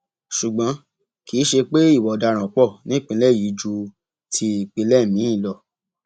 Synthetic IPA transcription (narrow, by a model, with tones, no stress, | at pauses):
ʃu˨ɡ͡bã˨˦ | ki˨˦ʃe˧k͡pe˦i˦˨wɔ˨da˧˨ɾ̃ã˨k͡pɔ˦˨nĩ˨˦k͡pĩ˧lɛ˦˨ji˨˦d͡ʒu˧ | tʰi˧i˨k͡pĩ˧lɛ˦˨mĩ˨˦ĩ˦˨lɔ˨